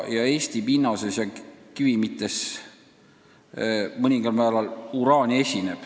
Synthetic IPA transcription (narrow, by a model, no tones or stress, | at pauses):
jɑe̞ːsʲt̪ipinːɑsesjɑkivimit̪ːˑe̞s | mɤnʲiŋɡ̥ɑlmæːlɑluɾɑːnʲie̞sʲine̞b̥